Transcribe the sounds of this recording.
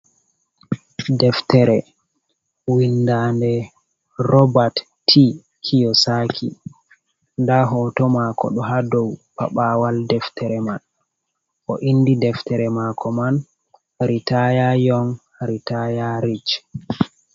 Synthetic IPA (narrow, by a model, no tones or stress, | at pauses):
dɛftɛɾɛ | windaːndɛ | ɾɔbat | tʰːi | kʰijɔsakʰḭ | ndaɦɔːtɔmakɔ̰ɗɔɦadɔwpa̰ɓaːwaldɛftʰɛɾɛman | ʔɔʔindidɛftɛɾɛmakʰɔman | ɾitajajɔn | ɾitajaɾit͡ʃ